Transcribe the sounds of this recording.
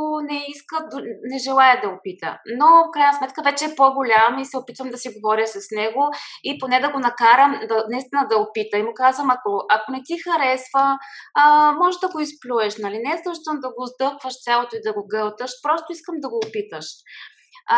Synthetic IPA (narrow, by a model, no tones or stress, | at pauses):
nɛiskəd̪nɛʒɛlˠajəd̪ɐopit̪ə̰nofkɾajnɐsmɛt̪kəvɛt͡ʃɛːpoɡolʲamisɛopit̪vəmd̪ɐsiɡovɔɾjəsɐsnɛɡoiponɛd̪ɐɡonɐkaɾəmd̪ɐnɐist̪inəd̪ɐopit̪əimʊkazvəmɐkoʔɐkonɛt̪ixɐɾɛsvəː | mɔʒɛd̪ɐɡoisplʲuɛʃnɐlinɛzəʃt̪əmd̪ɐɡozd̪ɤkvəʃt̪sʲalˠot̪oid̪ɐɡoɡɤlˠt̪əʃpɾɔst̪ʊiskəmd̪ɐɡoːpit̪əʃ